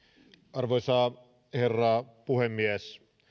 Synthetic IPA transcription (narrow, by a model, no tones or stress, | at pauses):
ʔɑrʋojsɑː | herːɑpuhemːiæs